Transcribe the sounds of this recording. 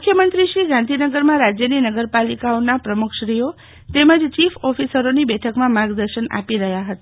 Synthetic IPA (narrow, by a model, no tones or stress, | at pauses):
mukʰjəmənt̪ɾiʃɾiɡãnd̪ʱinəɡəɾmãɾad͡ʒjəninəɡəɾpalikaonapɾəmukʰʃɾijo | t̪emə̃d͡ʒt͡ʃifɔfisəɾonibɛʈʰəkmãmaɡd̪əɾʃəna̰piɾəɦjaɦət̪a